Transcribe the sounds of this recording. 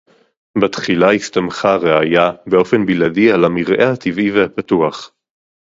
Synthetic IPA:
batχilaistamχaʁeajabeo̞fe̞nbiladialamiʁʔehat̪ivivehapatuaχ

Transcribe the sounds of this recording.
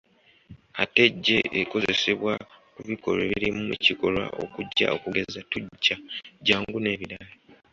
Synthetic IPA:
a̰te̞ɟːe̞ʔːko̞ze̞se̞βwakuβiko̞̰leβiɾimueciko̞lwa̰o̞̰kuɟːa̰o̞kuɡe̞zatuɟːaɟaːŋɡune̞ːβiɾalo

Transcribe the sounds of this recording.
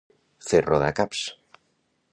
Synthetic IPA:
θerʔoða̰kaps

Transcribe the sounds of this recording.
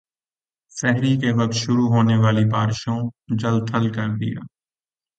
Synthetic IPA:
sɛɦɾiːkeːʋək̚t̪ʃʊɾuɦoːneːʋaːlibaːɾʃõːd͡ʒəld̪ʰəlkəɾd̪ɪ̰ja̰ː

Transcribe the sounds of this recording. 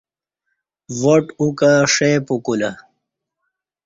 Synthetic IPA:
woʈukaʂepukula

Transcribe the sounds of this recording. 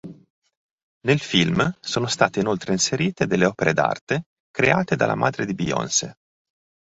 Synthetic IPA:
nelfilmsoːnost̪aːt̪einolt̪ɾeinseɾiːt̪ed̪elːeɔːpeɾed̪a̰rt̪e | kɾeaːt̪ed̪a̰lʔa̰mʔaːd̪ɾed̪ibiɔ̰nsḛ

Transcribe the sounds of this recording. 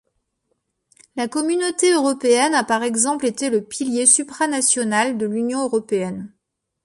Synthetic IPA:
lakɔmynot̪eøʁɔpeɛnapaʁɛɡzɑ̃plet̪eləpiljesypχanasjɔnald̪əlynjɔ̃øʁɔpeɛn

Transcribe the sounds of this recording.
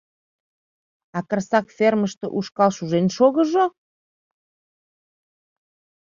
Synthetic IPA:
ɑkə̆rsɑkferməʃt̪ə̰̆ʔuʃkɑlʃuʒenʃoɣə̆ʒo

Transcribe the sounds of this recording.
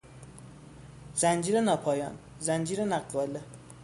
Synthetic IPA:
zænd͡ʒiːɾenɒːpʰɒːjɒ̰ːn | zænd͡ʒiːɾenæɡɒːle

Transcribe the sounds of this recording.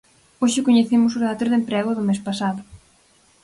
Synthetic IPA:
oʃɪkoɲeθimʊsʊðat̪ɾʊðempɾɛɣʊðʊmespasaðʊ

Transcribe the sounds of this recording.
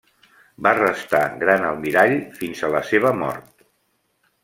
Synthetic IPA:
barəst̪aɣɾanəlˠmiɾaʎfinzələseβ̞əmɔ̰ɾt̪̚

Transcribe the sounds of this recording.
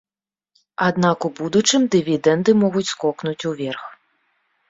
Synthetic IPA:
ad̪nakubud̪ut͡ʂɨmd̪ɨvʲid̪ɛnd̪ɨmɔɣut͡sʲskɔknut͡sʲuvʲɛrx

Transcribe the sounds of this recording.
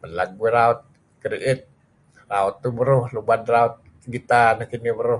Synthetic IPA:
mənlaɡuiɾaʊt̪̚ | kɾiʔɪt̪̚ | raʊt̪ːubəɾʊhlubadraʊt̪̚ | ɡit̪anahkinibəɾʊh

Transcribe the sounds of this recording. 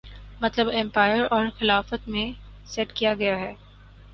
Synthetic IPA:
mɐt̪ləbɛ̃mpaːɪəɾɔːɾxɪlaːfət̪mẽsɛʈkijaɡɐjaɦɛː

